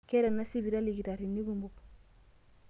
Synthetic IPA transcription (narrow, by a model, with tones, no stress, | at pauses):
ke˦ɾa˨nːa˦si˦bi˨ɾa˦li˨ɡi˨ɾa˨ɾi˨ni˦ɡu˨mbu˦p